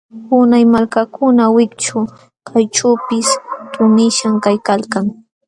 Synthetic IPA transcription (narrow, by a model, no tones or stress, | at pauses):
ʊnajmalkakʰʊnawɪkt͡ʃʊ | kʰajʈ͡ʂaːpɪst̪ʊnɪʃaŋkajkalkaŋ